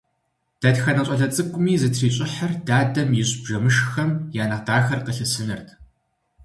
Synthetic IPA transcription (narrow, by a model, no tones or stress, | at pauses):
d̥ɐtxɐnɐɕʷʼɐɮɐt͡sʼɨkʷʼʊmiːzɨtʰriːɕʼɪħaɐrdaːdɐmjɪɕʼb̥ʒɐmɨʃxɐmjaːnɐqdaːxɐrqəɬɨsɨnɨrtʰ